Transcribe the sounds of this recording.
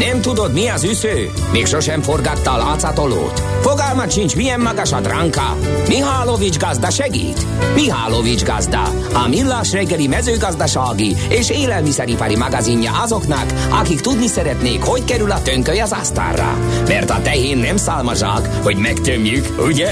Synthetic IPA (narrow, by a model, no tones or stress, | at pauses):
nɛmt̪ud̪o̞d̪miɒzysøː | meːkʃo̞ʃɛɱfo̞rɡɒt̪ːɒːlɑːt̪sɑt̪o̞lo̰ːt̪fo̞ɡɒlmɒt̪ʃint͡ʃmijɛmːɒɡɒʃɒd̪rɑŋkɑ̰ | miɦaːlovid͡ʒɡɒzd̪ɒʃɛɡḭːt̪ | miɦaːlovid͡ʒɡɒzd̪ɒ̰ | ɒmilːaːʃrɛɡːɛlimɛzøːɡɒzd̪ɒʃaːɡieːʃeːlɛlmisɛɾipɑɾimɑɡɑziɲːɒ̰ʔɒzo̞knɒk | ɒkikt̪ud̪nisɛɾɛt̪neːkho̞ckɛɾylɒt̪øŋkøjɒzɑst̪a̰ːrːɒ̰ | mɛrt̪ɒt̪ɛjeːnːɛmsaːlmɒʒa̰ːk | ho̞ɟmɛkt̪ømjykuɟɛ